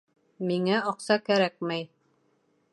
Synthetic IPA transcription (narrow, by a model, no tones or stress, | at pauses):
miŋæɑqsɑkæɾæk̚mæj